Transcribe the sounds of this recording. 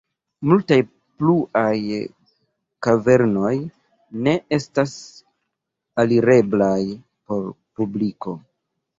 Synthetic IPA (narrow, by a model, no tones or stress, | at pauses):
multaj | pluʔaj | kave̞ɾno̞j | ne̞e̞stas | aliɾe̞blaj | po̞ɾpubliko̞